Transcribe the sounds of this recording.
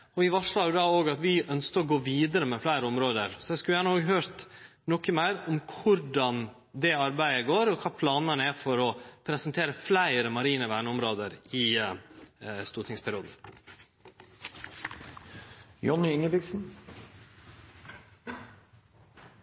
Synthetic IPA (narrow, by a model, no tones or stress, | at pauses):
ɔʋɪʋɑʂɭɑɾjʊd̪ɑːoːɡɑt̪ʋɪœnskəɔɡoːʋiːd̪əɾəmɛflæɪɾəɔmɾoːd̪əɾsɔɛɪskʉljæːɳəoːɡɦøːɾt̪ | nɔkːəmæɪɾɔmkʰʊɾɖɑn | d̪ɛɑɾbæɪəɡoːɾɔkʰɑːpʰlɑːnənæfɔɾɔpʰɾɛsənt̪ʰeːɾəflæɪɾəmɑɾiːnəʋæːɳəʊmɾoːd̪əɾɪ | st̪uːɾʈ̪ʰɪŋspʰæɾɪuːd̪n̩ | jɔnːɪɪŋːəbɪksn̩